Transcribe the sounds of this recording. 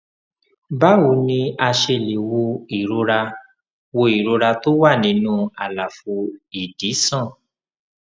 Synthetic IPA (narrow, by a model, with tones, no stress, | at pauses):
ba˦wu˨˦nĩ˧a˧ʃe˧le˨wo˧i˨ɾo˧˦ɾa˧ | wo˧i˨ɾo˧ɾa˧to˦wa˦˨nĩ˨˦nũ˦a˨la˨fu˧i˨di˨˦sã˦˨